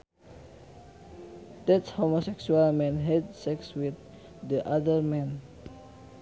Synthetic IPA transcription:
d̪ɛtshomosɛksualmɛ̃nɦɛdsɛkswɪðː | iʔaðə˞mɛ̃n

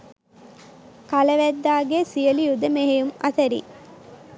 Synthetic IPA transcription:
kalɐʋæd̪ːaːɡesijəlijud̪əmeɦejumɐ̰t̪ɐɾḭ

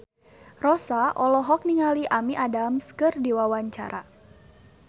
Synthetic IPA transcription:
rɔsaʔɔlɔɦɔk̚niŋaliʔamiʔadamskɨrdiwawaɲt͡ʃa̰ɾa̰

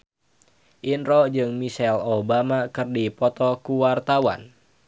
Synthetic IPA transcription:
ʔinɾɔd͡ʒɨŋmisɛlobamakɨrdipɔt̪ɔkuwart̪awa̰n

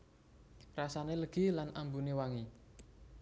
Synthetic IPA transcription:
rasaneləɡ̥i̤lanʔambunewaŋi

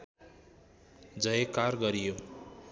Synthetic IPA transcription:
d͡zʌjekarɡʌɾijo

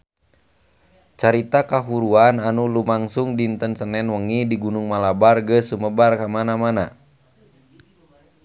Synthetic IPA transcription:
t͡ʃaɾit̪akaɦuɾuananulumaŋsuŋdint̪ənsənɛnwəŋidiɡunuŋmalabarɡəsuməbarkamanamana

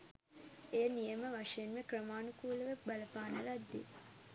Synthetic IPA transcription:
ejənijəməʋaʂɐjenmekrəmaːnukuːləʋəbaləpaːnəlad̪ːḭ

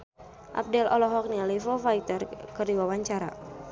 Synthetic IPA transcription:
ʔa̰p̚dɛlʔɔlɔɦɔk̚nialɛfɔfait̪ərkərdiwawaɲt͡ʃaɾa̰

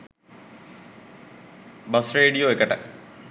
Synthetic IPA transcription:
bɐsreːɖijoːekːɐʈːɐ

